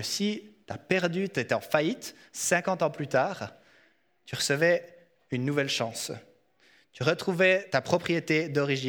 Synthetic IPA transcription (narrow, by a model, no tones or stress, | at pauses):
sit̪apɛʁd̪yt̪yet̪ɛɑ̃fait̪ | sɛ̃kɑ̃t̪ɑ̃plyt̪aːʁ | t̪yʁəsəvɛ | ynːuvɛlʃɑ̃s | t̪yʁət̪χuvɛt̪apχɔpχijet̪ed̪ɔʁiʒi